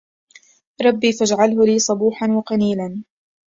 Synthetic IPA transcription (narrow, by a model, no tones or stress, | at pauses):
ɾˤɑbːiːfad͡ʒʕalɦʊliːsˤɑbuːħanwɑqɑniːlan